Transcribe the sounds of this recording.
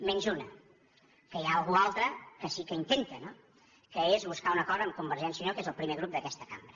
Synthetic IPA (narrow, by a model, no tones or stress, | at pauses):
menʲzunə | kəjaːlˠɣualˠt̪ɾəkəsikəint̪ent̪əno | kəezβuskaunəkɔzəːmkumbəɾʒɛnsjinokezəlˠpɾimeɣɾup̚d̪əkɛst̪ə̥kambɾə